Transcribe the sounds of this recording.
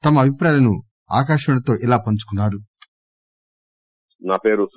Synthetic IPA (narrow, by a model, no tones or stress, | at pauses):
t̪ɐmɐɐbʱipɾaːjɐnu | a̰ːk̬aːʃɐuɳɐt̪o̞ːʔilaːpɐɲt͡ʃu̥kunːaːɾu | naːpeːɾus